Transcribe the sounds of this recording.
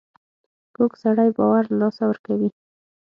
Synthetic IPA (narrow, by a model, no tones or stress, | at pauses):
moɡsaɽajbɑwaɾlɑsawəɾkawi